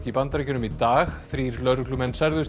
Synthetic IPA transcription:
cipant̪aɾɛcʏnʏmit̪aːxθɾiɾlœɾklʏmɛnsaɾðʏs

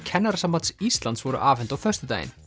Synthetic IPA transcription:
cʰɛnːaɾasamːant̪sist̪lant̪svɔɾʏ̰ʔaːvɛnt̪awfœr̥st̪ʏt̪a̰ːjɪ̰n

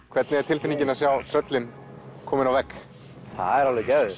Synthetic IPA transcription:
kʰvɛɾt̪nɪɛɾ̥t̪ʰɪlfɪniɲcɪnasjawt̪ʰɾœt̪lɪn | kʰɔːmɪnawvɛkː | θa̰ðɛɾalvɪcœːɥ

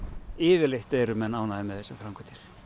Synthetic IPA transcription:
ɪːvɪleht̪ɛɾʏmɛnːaːwnaðɪmɛðθɛsːafɾamkʰɛt̪ɪɾ̥

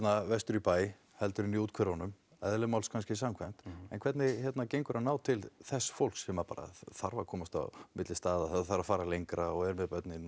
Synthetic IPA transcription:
t̪navɛst̪ʏɾipaːj | hɛlt̪ʏɾɪnːiuːt̪̚kʰvɛɾanʏm | ɛ̰ðlʏmawlskʰanscɪs̬amkʰvajm̥t̪ɛ̰nkʰvɛt̪nɪçɛt̪nacejŋkʏɾʔaðnaːwt̪ʰɪlθɛsːfowl̥ksɛmapa̰ːɾa̰θaɾvakʰɔːmast̪a̰mɪt̪lɪst̪aːðaθaθaɾafaːɾalejŋkɾaɔɣɛɾmɛðpœt̪nɪ

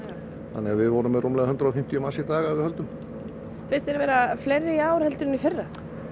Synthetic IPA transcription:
θanːɛɣaðvɪðvɔɾʏmːɛðrumlɛːɣahʏnt̪ɾaɔfɪm̥t̪ijʏmasit̪aːɣaaðvɪhœlt̪ʏm | fɪrst̪ɛɾvɛːɾaflejrːɪiaːwɾhɛlt̪ʏɾʏnifɪrːa

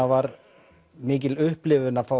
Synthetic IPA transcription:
avaɾ | mɪːc̬ɪlʏhplɪvʏnːafa

